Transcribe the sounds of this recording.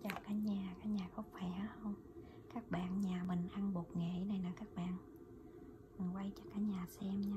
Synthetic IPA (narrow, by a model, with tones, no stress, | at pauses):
t͡ɕa˨˩kaː˨˦ɲaː˨˩kaː˨˦ɲaː˨˩xɔ˨˦faː˧˩jə˨˦hə˧wŋ͡m | kaː˦˥k̚ɓa̰ː˧˨nɲaː˨˩mï˨˩ŋ̟ʔa˧nɓo˨˩t̚ŋḛ˧˨na˨˩jnaː˨˩kaː˦˥k̚ɓa̰ː˧˨n | mɨ˨˩ŋwa˧jt͡ɕɔ˧kaː˨˦ɲaː˨˩sɛ˧mɲaː˧